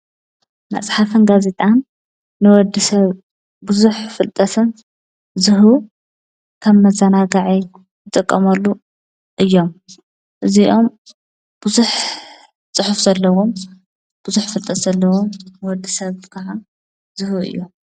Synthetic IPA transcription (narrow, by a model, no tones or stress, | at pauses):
mɐ̰t͡sʼħafɨnɡazet̪ʼanː | ɨwɔd̪isɐβ | buzuħfɨlt̪ʼɐt̪ʰɨn | zɨɦu | kʰɐβmɐzɐnaɡaʕi | jɨt̪ʼɨkʼːɐmɐlːu | ʔɨjːo̞m | ʔɨziʔo̞m | b̥uzuħ | t͡sʼɨħufzɐlːɐwom | b̥ʊzuħfɨlt̪ʼɐt̪zɐlːɐwomnɨwɔd̪ːisɐβkʰɐʕa | z̥ɨhuɨ̰jːu